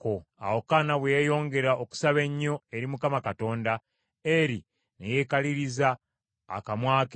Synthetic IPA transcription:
koa̰wo̞kanaβwejo̞ːŋɡe̞ɾaʔoku̥saβe̞ɲːo̞e̞ɾimukamakato̞ːnda | eɾi | neje̞ːkaliɾiza̰ː | kamwaːke

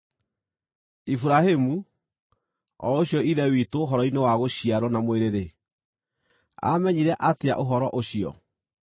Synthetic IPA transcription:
ifuɾahemu | ɔ̰oɕjɔiðɛwitoːɦɔɾɔinewaɣoɕiaɾɔnamweɾeɾe | a̰mɛɲiɾɛʔatea̰ʔoɦɔɾɔʔoɕiɔ̰

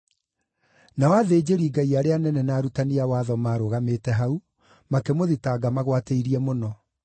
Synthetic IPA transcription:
nawaðeːd͡ʑeɾiɡaiaɾeanɛnɛnaːɾutaniawaðɔmaːɾoɣametɛɦau | makemoðitaːɡamaɣwateiɾiɛmonɔ

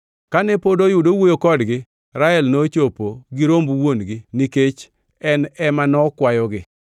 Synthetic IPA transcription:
kanɛpodojʊdowojokɔdɡɪ | ɾaɛlnot͡ʃopoɡiɾombwonɡɪniket͡ʃ | ɛnɛmanɔkwajɔɡɪ

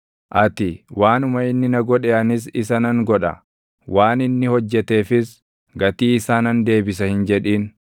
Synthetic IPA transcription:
ʔɐt̪ɪwaːnʊmɐɪnːɪnɐɡɔᶑeːɐnɪs̬ɪsɐnɐŋɡɔᶑɐ̰ | waːnɪnːɪhɔd͡ʒːɛt̪e̞ːfɪs | ɡɐt̪iːɪsaːnɐnd̪e̞ːbɪsɐhɪnd͡ʒɛᶑiːn

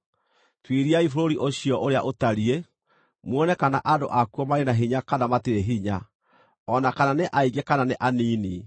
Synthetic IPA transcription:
twiɾiaifoɾoɾiʔoɕiɔʔoɾeaʔotaɾie | mwɔnɛkanaʔado̰ʔakuɔmaɾenaɦiɲakanamatiɾeɦiɲa | ɔnakananeʔaiɡekananeʔaniːni

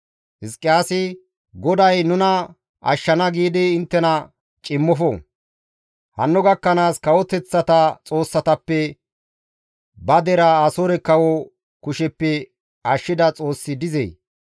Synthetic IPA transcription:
hɪskʼːɪjaːsɪ | ɡɔd̪ɐjnʊnɐ | ʔɐ̰ʃːɐnɐɡiːd̪ɪɪnt̪ːɛnɐ | t͡ʃʼɪmːɔfɔ̰ | hɐ̰nːʊɡɐkːɐnaːskɐwɔt̪ɛt͡sːɐt̪ɐt͡sʼo̞ːsːɐt̪ɐpːɛ | bɐd̪ɛɾaːsoɾɛkɐwɔ | kʊʃɛpːɛ | ɐʃːɪd̪ɐt͡sʼo̞ːsːɪd̪ɪzḛj

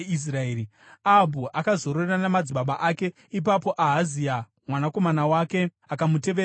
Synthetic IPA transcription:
is̬raeːɾi | aɦbʱuʔakazo̞ɾoreranamad͡ziɓaɓaʔake̞ | ipapo̞ʔaɦazia | mwanako̞manawaːke̞ | akamute̞ʋe

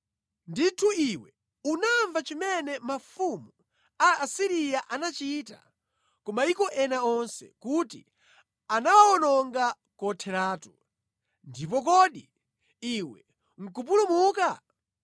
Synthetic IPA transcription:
nditʰuiwɛ | unaɱvat͡ʃimɛnɛmafumu | aːsiɾijaʔanat͡ʃiːta̰ | kɔmaikɔʔɛnaɔnsɛ̰kutḭ | anawaɔnɔŋɡa | kɔtʰɛɾaːtu | ndip̬ɔk̬ɔɗi | iwɛ | ŋ̩kup̬ulumuːka

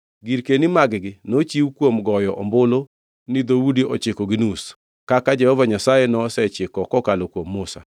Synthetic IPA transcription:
ɡiɾkenimaɡɡɪnot͡ʃiwkwomɡɔjɔʔɔ̰mbolo | nɪd̪owudiʔɔt͡ʃɪkɔɡɪnus | kakad͡ʒɛhɔvaɲasajenɔsɛt͡ʃɪkɔkɔkalokwomːosa̰

